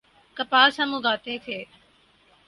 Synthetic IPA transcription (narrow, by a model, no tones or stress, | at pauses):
kəpaːɾsãːmũːɡaːt̪ẽːk̪ʰeː